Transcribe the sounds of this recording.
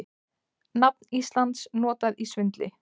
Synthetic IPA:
nap̚nist̪lant̪snɔːt̪aðisvʏnt̪lɪ

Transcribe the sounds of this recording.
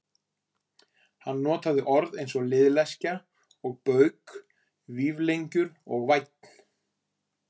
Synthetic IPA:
hanːɔːt̪aðɪʔɔɾðejnsɔɣlɪðlɛsca | ɔɣpœɥk | viːvlejɲcʏɾɔ̰ɣvajt̪̚n̥

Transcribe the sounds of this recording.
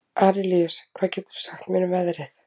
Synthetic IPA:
ʔaːɾɪliɔskʰv̥aːcɛːt̪ʏ̥ɾ̥saxt̪miːnʏvɛðɾɪθ

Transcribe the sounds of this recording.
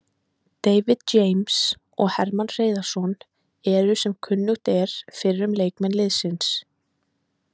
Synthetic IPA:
t̪ejvɪð̥t͡ɕejms | ɔɣhɛɾmanr̥eːjðaɾ̥sɔn | ɛɾʏsɛmkʰʏnːʏht̪ɛɾ̥fɪɾɾʏmleːjkmɛnlɪðsɪns

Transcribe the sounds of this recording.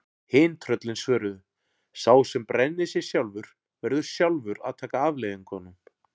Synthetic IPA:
heːjnt̪ʰɾœt̪lɪnsvœːɾʏðʏ | saːwsɛmpɾɛnːɪsjɛ̥sjawlvʏɾ̥ | vɛɾðʏɾ̥sjawlvʏɾa̰ðt̪ʰaːkaaːvlejðʏŋkʰɔnʏm

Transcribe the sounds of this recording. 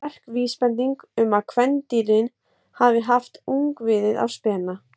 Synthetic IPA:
ɛr̥kviːspɛnt̪iŋkʏmaðkʰvɛnt̪iːlɪn | havɪɦaft̪uŋkvɪðɪða̰wspɛːna

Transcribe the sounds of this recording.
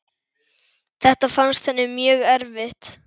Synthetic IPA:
θɛht̪afanst̪θɛnːɪmjœːɣɛɾvɪht̪

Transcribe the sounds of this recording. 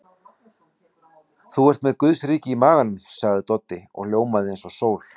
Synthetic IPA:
θuɛr̥t̪mɛðkʏðsɾiːcɪimaːɣanʏmsaɣðɪt̪ɔt̪ːɪɔ̰ɣljoːwmaðɪejnsɔsoːwl̥

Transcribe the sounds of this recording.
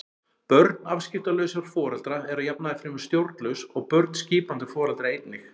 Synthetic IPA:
pœɾt̪nafscɪft̪alœɥsaɾ̥fɔːɾɛlt̪ɾaɛɾaðjapnaðɪfɾɪːmʏɾ̥st̪jowɾt̪lœsɔɣpœɾt̪̚n̥sciːpant̪ɪfɔːɾalt̪ɾaejt̪nɪx

